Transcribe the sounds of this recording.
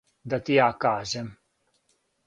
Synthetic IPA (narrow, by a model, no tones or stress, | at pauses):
d̪at̪iakaːzem